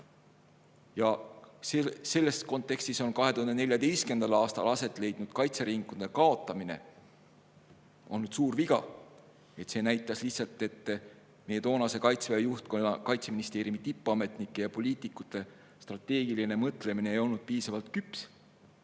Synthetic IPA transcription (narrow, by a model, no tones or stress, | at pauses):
jɑsse̞lːe̞sko̞nt̪ːˑe̞kst̪iso̞nkɑɦet̪uhɑnd̪ee̞lʲjɑd̪e̞jst̪ke̞nd̪ɑlɑːst̪ɑ̰lɑse̞t̪ːˑle̞jd̪̥nud̪̥kɑjt̪seɾiŋkːˑud̪e̞kɑo̞t̪ːˑɑmine̞̰ | o̞̰lnːud̪̥suːrviɡ̥ɑ | e̞t̪se̞ːnæjt̪ːˑɑslihsɑlt̪ːˑe̞t̪ːˑ | mejːe̞t̪o̞ːnɑse̞kɑjt̪svejɑjuht̪konɑkɑjt̪se̞minist̪e̞ːɾjumit̪ipːˑɑme̞t̪nikːˑe̞jɑpo̞liːt̪ˑikːˑut̪ːˑe̞ | st̪rɑt̪ːˑe̞ːɡ̥iline̞mɤt̪ˑle̞mineeːjo̞lnud̪̥̚piːsɑvɑlt̪kyps